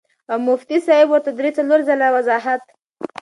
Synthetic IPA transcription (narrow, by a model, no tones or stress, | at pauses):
amʊft̪isɑɪbwʊɾt̪ad̪ɾet͡saloɾzalawazɑɦat̪